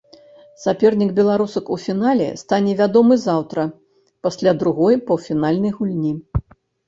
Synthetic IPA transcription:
sapʲɛrnʲiɡbʲɛlˠaɾusɐkufʲinalʲɛ̰st̪anʲɛvʲad̪ɔmɨzawt̪ɾɐ | pasʲlʲad̪ɾuɣɔjpɐwfʲinalʲnɐjɣulʲnʲi

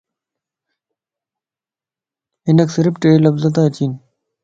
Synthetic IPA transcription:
inɐksɐɾipʈelɐbzɐt̪at͡ɕin

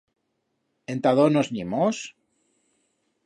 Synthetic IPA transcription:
ent̪aðonozɲimos

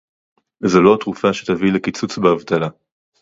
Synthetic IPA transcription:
zoloat̪ʁufaʃet̪avilekit͡sut͡sbeavt̪ala

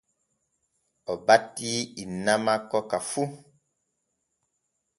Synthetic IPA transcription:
ɔbatiinamakɔkafu

